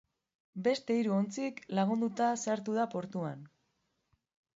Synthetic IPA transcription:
be̞st̪e̞iɾuo̞nt͡siklaɣ̞und̪ut̪aseaɾt̪uð̞apo̞ɾt̪ua̰n

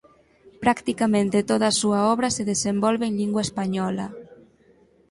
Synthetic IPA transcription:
pɾakt̪ikamẽnt̪et̪oðasuaɔβ̞ɾaseðezembɔlβeenʎiŋɡwaespaɲɔla̰

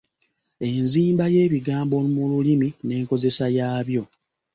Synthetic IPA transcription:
e̞nziːmbaje̞ːβiɡaːmbo̞mululimine̞ːŋko̞ze̞sajaːβjo̞

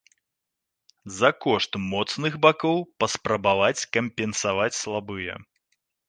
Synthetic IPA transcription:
zɐkɔʂt̪mɔt̪snɨɣbakɔwpɐspɾɐbavat͡sʲkɐmʲpʲɛnsavat͡sʲslˠabɨjɛ̰

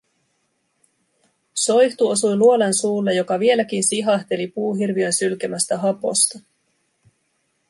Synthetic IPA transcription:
so̞jçt̪uo̞sujluo̞lensuːlːejo̞kɑʋie̞læk̟insiɦɑht̪e̞lipuːɦirʋiø̞nsylkæmæst̪æɦɑpo̞̰st̪ɑ

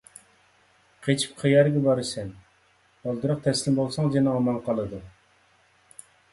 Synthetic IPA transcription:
qʰet͡ʃʰi̥p̚qʰijɑɾɡʲɛbɑɾɨsɛn | olˠd̪ɨɾəq̚t̪ʰɛslɪmbolˠsɑŋd͡ʒenɛɑmɑlˠqɑlˠɨd̪u

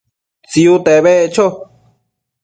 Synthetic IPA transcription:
t͡siut̪eβeʔt͡ʃo

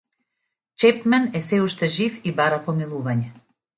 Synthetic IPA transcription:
t͡ʃɛpmɛnɛsɛuʃt̪ɛʒifibaɾapɔmilˠuvaɲɛ

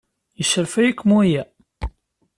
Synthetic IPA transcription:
jəʃəɾfæjikːmuæjæ

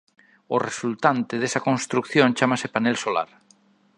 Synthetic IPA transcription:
oresult̪ant̪eð̞esakõnst̪ɾukθjõnt͡ʃamasepanelsola̰ɾ

